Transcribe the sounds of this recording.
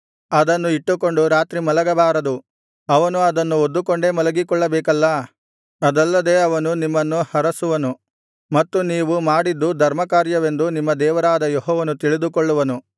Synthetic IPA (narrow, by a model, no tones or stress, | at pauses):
ɐd̪ɐnːuiʈːuko̞ɳɖuɾaːt̪ɾimɐlɐɡɐbaːɾɐd̪u | ɐʋɐnuɐd̪ɐnːuod̪ːukoɳɖe̞ːmɐlɐɡikɔɭːɐbɛːkɐlːɐ | ɐd̪ɐlːɐd̪e̞ːɐʋɐnunimːɐnːuhɐɾɐsuʋɐnu | mɐt̪ːuniːʋumaːɽid̪ːud̪ʱɐɾmɐkaːɾjɐʋe̞nd̪unimːɐd̪ɛːʋɐɾaːd̪ɐjeɦɔːʋɐnut̪iɭid̪ukɔɭːuʋɐnu